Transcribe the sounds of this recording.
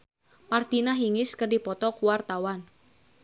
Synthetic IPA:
mart̪inaɦiŋɪskərdipɔt̪ɔkuwart̪awan

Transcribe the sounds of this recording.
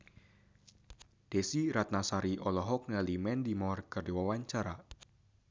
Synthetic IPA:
d̥esiɾat̪̚nasaɾiʔɔlɔɦɔk̚nalimɛndimɔrkərdiwawaɲt͡ʃaɾa

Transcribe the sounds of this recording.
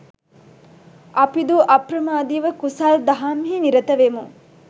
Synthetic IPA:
ʔɐpid̪uʔɐpɾɐmaːd̪iːʋəkusaːld̪ɐɦaːmɦiniɾɐt̪ɐʋemu

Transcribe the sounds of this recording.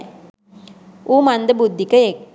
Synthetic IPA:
uːmand̪əbud̪ʱːikəek

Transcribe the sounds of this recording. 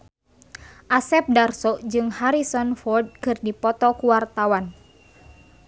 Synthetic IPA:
ʔasɛp̚darsɔʔd͡ʒɨŋhaɾisɔnfɔrd̚kɨrdipɔt̪ɔkuwart̪awan

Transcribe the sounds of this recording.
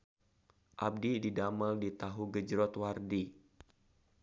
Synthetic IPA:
ʔab̚dididamaldit̪aɦuɡəd͡ʒɾɔt̪wardi

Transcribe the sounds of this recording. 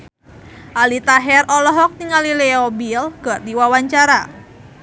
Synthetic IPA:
ʔalit̪aɦɛrʔɔlɔɦɔk̚t̪iŋalileobilɡ̥ərd̪iwawaɲt͡ʃaɾa

